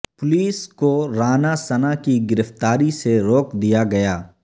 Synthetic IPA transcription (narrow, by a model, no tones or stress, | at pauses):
pʊliːskoɾaːnasɐnakiɡɪɾəft̪aːɾiseɾoːkd̪ijaɡɐjaː